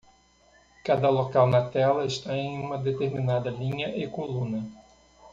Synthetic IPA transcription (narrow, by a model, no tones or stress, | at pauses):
kad̪ɐlokawnɐt̪ɛlɐɪst̪aẽj̃ũmɐd̪et̪eɾminad̪ɐlĩɲɐʔekolũnɐ